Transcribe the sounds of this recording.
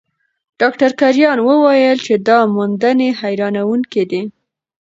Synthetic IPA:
ɖ̥ɑkʈaɾkaɾjɑnwəwɑjəlt͡ʃed̪ɑmund̪ənehajɾɑnawuŋked̪i

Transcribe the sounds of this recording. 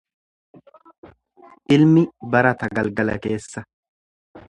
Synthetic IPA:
ʔɪlmɪbɐɾɐt̪ɐɡɐlɡɐlɐ̰ke̞ːsːɐ

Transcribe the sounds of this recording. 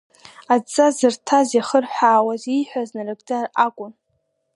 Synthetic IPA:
at͡sʼːazɨrtʰazjaχərħʷaːwaziħʷaznarɨɡʼdʼarakʷʼʊn

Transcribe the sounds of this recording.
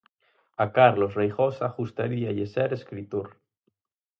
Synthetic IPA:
akaɾlosrejxosaxust̪aɾiaʝeseɾeskɾit̪oɾ

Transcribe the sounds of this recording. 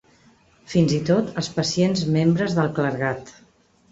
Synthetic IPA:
finzit̪ot̪əspəsienzmembɾəzðəlˠkləɾɣat̪

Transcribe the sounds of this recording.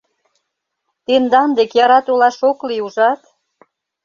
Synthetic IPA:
t̪end̪ɑnd̪ekjɑɾɑt̪ulɑʃokliuʒɑt̪

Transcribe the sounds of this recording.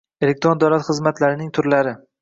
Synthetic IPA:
elek̚t̪ɾond̪awlat̪χɨzmat̪laɾɪnɪŋt̪ʰʊɾlaɾɪ

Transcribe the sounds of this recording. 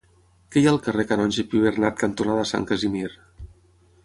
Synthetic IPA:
kɛjaəlˠkərekəɾɔnʲʒepiβernat̪̚kənt̪unaðəsa̰ŋkəzimiɾ

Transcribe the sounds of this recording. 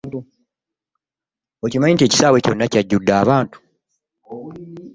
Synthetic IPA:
ocimaɲintie̞ci̥saːwe̞co̞̰nːacaɟːudːaːβaːntu̥

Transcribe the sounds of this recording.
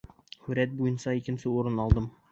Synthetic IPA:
hʉɾæt̪̚bujɤnsɑikɘ̆nsɘuɾɤnɑlˠd̪ɤm

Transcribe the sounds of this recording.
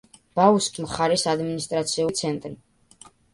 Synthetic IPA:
b̥auskʼmχaɾisad̪minist̪ʼɾat̪sʰiut̪sʰɛnt̪ʼɾi

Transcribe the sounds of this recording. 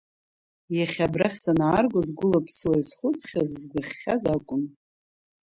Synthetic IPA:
jaχʲabraχʲsanaarɡʷozɡʷʊlapʰsɨlaisχʷʊt͡sʰʼχʲazzɡʷaχʲːazakʷʼʊn

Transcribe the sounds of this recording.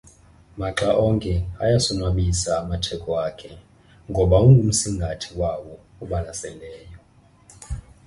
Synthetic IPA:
maǁaʔɔŋkʼɛajasɔnwaɓisaːmatʰɛkʰɔwakʰɛ | ŋɡʱɔɓauŋum̩siŋɡʱatʰiwawɔ | uɓanasɛnʱɛːjɔ

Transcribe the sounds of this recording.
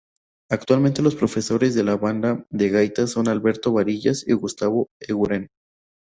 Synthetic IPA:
ak̚t̪walment̪e̞lospɾo̞fe̞so̞ɾe̞zðe̞laβand̪aðeɣajt̪aso̞nalβe̞ɾt̪o̞βaɾiʝasiɣust̪aβo̞eɣuɾen

